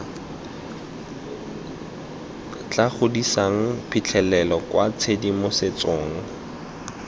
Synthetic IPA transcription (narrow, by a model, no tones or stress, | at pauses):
t͡ɬaχʊdisaŋ̩pʰit͡ɬʰɛlɛlɔkwat͡sʰedimosɪt͡soːŋ̩